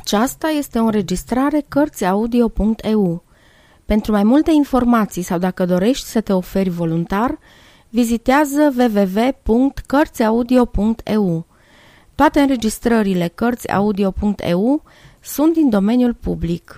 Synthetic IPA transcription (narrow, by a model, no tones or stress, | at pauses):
at͡ʃast̪aje̞st̪e̞oɨnre̞d͡ʒist̪ɾaɾe̞kərt̪sʲaud̪io̞puŋkt̪ʰe̞u | pe̞nt̪ɾumajmult̪e̞info̞rmat̪sijsawd̪akəd̪o̞ɾe̞ʃt̪ʲsət̪e̞o̞fe̞rʲvo̞lunt̪ar | vizit̪eazəve̞ve̞ve̞puŋk̚t̪kərt̪sʲaud̪io̞puŋkt̪ʰe̞u | t̪oat̪e̞ɨnɾe̞d͡ʒist̪ɾəɾile̞kərt̪sʲa̰ud̪io̞puŋkt̪ʰḛu | sunt̪̚d̪ind̪o̞me̞njulpublik